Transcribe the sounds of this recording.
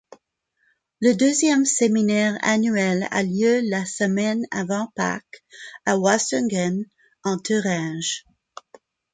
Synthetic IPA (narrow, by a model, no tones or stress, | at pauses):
ləd̪øzjɛmseminɛʁa̰nyɛla̰ljølasəmɛna̰vɑ̃pa̰kawaʃĩŋtən | ɑ̃t̪ʰəʁãʒ